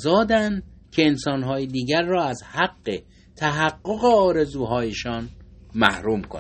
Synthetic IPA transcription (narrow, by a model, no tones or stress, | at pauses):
zɒːd̪ænd̪kʰeensɒːnɦɒːjed̪iːɡæɾːɒːæzhæɡːe | t̪ʰæɦæɡːoɣe̞ɒːɾe̞zuːɦɒːjeʃɒːnmæ̰hɾuːmkʰo̰n